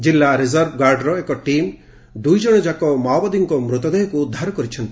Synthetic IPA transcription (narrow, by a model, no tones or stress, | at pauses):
d͡ʒilːaɾizaɾb̚ɡaɾɖɾɔekɔʈim | d̪ujd͡ʒɔɽ̃ɔd͡ʒakɔmawbad̪iŋkɔmɾut̪ɔd̪eɦɔkuud̪ʱaɾɔkɔɾit͡ʃʰɔnt̪i